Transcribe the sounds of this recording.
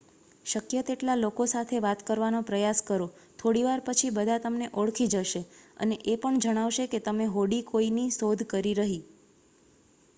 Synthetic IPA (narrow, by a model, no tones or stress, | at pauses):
ʃəkjət̪eʈlalokosat̪ʰeʋat̪kəɾʋanopɾəjaskəɾot̪ʰoɽiʋaɾpət͡ʃʰibəd̪ʱat̪əmneʔoɭkʰid͡ʒəʃeə̰neʔepəɳd͡ʒəɽ̃aʋʃeket̪əmeɦoɽikoinisod̪ʱkəɾiɾəɦi